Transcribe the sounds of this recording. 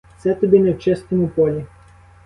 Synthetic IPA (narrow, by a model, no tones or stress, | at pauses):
t̪sɛt̪ɔbʲinɛwt͡ʃɪst̪ɔmʊpɔlʲi